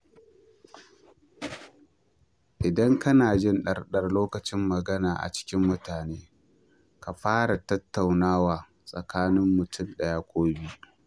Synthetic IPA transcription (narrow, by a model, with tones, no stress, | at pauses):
ʔɪ˨dɐ˦ŋkɐ˦naː˨d͡ʒɪ˦˨nɗɐ˨rɗɐ˦˨rloː˦kɐ˨t͡ʃɪ˦mːɐ˨ɡɐ˦naː˨ʔa̰˨t͡ʃɪ̥˦kʲɪ˦mːʊ˦taː˨neː˦ | ka˨ɸaː˦ɽa˨tɐ˦tːa˨wnaː˦waː˨ | sʼɐ˨kʰaː˦nɪ˦mːʊ˨tʰʊ˦˨mɗɐ˦jaː˦kʷoː˦biː˦ʔ